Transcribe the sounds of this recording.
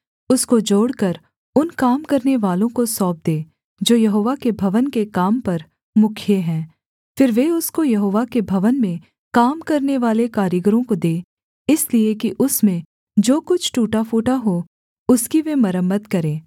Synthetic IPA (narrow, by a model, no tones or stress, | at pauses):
ʊskod͡ʒoːɽkɐɾ | ʊnkaːmkɐɾneʋaːlõkosɔːp̚d̪eː | d͡ʒoːjɐɦoːʋakebʱɐʋənkekaːmpɐɾ | mʊkʰjeɦɛ̃ː | fɪɾʋeʊskojɐɦoːʋakebʱɐʋənmẽ | kaːmkɐɾneʋaːlekaːɾjəɡɾõkod̪eː | ɪsliekiʔʊsmẽ | d͡ʒoːkʊt͡ʃʰʈuːʈafoːʈaɦo | ʊskiʋemɐɾəmːət̪kɐɾẽː